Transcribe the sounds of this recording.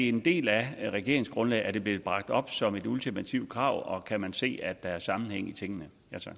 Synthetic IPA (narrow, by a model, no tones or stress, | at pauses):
eend̥e̝̰ːlæʁɛɡ̥e̝ɐeŋsɡ̥ʁɔ̽nlɛ̰ːɪæɐd̥e̝b̥le̝ːð̩ˠb̥ʁɑ̈ɡ̥̚d̥ɒ̽b̥sɒ̽me̝dult͡sʰimæt͡sʰiʊ̰̥kʰʁɑ̈ʊ̰ɒ̽kʰæmænse̝̰ːæd̥ɑ̈æɐsɑ̈mn̩heŋ̰it͡sʰeŋənə | æt͡sʰɑ̥